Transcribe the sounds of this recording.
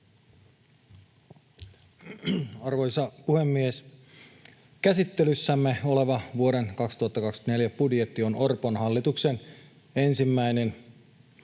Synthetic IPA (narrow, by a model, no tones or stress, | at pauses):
ɑrʋojsɑpuhemːies | kæsit̪ːelysːæmːeo̞le̞ʋɑʋuo̞denkɑkst̪uhɑt̪ːɑkɑksne̞ljæpudjet̪ːio̞no̞rponhɑlːit̪uksen | e̞nsimːæine̞n